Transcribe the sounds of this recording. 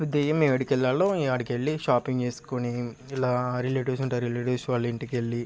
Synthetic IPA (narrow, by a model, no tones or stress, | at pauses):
ɾud̪ɛːjɐmiʋɐɽikɛlːaːloːaːɽikeɭːiʃaːpiŋɡt͡ʃe̞ːsu̥koni | ilaːɾileːʈiʋsuɳʈajɾileːʈiʋsʋaːlːɐiɳʈikeɭːi